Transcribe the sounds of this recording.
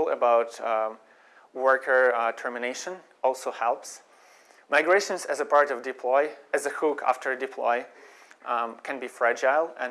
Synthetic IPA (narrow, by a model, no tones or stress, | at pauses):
lˠə̰baʊt | wɜ˞kʰə˞tʰɜ˞mɨneɪʃə̃n | ɔlˠsoʊhɛlˠps | maɪɡɹeɪʃə̃nzɨzəpʰɑɹɾʌvdɨpʰlɔɪɨzɨhukʰæ̰ftʰə˞dɨpʰl̥ɔ̰ɪ | kʰɨ̃nbifɹæd͡ʒaɪlˠɨ̃